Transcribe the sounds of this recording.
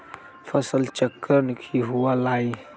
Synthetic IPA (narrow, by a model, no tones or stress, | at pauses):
fasəlt͡ʃəkːəɾnkʰiɦualaj